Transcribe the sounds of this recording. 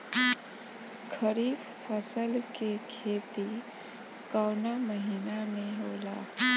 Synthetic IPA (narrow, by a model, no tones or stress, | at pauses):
kʰəɾiːb | pʰəsəlkekʰeːt̪i | kaʊnaməɦinamẽɦoːla̰ː